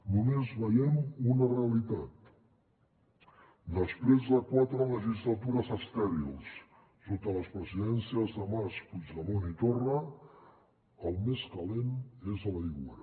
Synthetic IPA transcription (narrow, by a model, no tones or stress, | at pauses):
numezβəjɛmunəreəlit̪at̪ | d̪əspɾezðəkwat̪ɾələʒizlət̪uɾəzəst̪ɛɾilˠsː | ot̪ələspɾəziðɛnsiəzðəmaspud͡ʒləmonit̪orə | əlˠmeskəlenezələiɣṵɾə